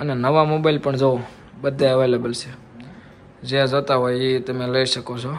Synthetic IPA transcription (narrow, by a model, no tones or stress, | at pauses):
ənenəʋamobaɪlpəɳd͡ʒoo | bəd̪ʱeəʋelebəlt͡ʃʰe | d͡ʒeãd͡ʒot̪aɦojit̪əmẽləiʃəkot͡ʃʰo